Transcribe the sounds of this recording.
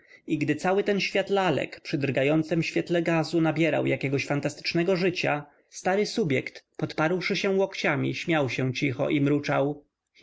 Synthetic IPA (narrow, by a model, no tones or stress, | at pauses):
iɡd̪ɘt̪sawɘt̪ɛnɕfʲjat̪lalɛ̰kpʂɘd̪ɾɡajɔnt̪sɛmɕfʲjɛt̪lɛɡazunabʲjɛɾa̰wjakʲɛɡɔɕfant̪ast̪ɘ̥t͡ʂnɛɡɔʐɘt͡ɕa | st̪aɾɘsubʲjɛkt̪pɔt̪paɾwʂɘɕɛ̃wɔkt͡ɕamʲḭɕmʲjawɕɛ̃t͡ɕixɔ̰ʔimɾut͡ʂaw